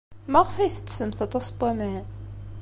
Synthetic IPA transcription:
mæʁəfæjθə̥t͡sːsəmθɑt̪ˤɑsˤbæmæn

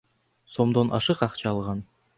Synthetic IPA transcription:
so̞md̪onʔɑ̰ʃɯqɑqt͡ʃɑːlˠʁɑn

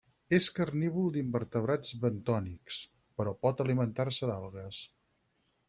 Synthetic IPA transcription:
eskərniβulˠd̪imbəɾt̪əβɾad͡zβənt̪ɔniks | pəɾɔpɔt̪əlimənt̪arsəd̪alˠɣəs

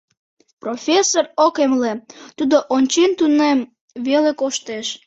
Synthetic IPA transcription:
profʲesorokemlet̪ud̪oʔonʲt͡ɕent̪unem | βelekoʃt̪eʃ

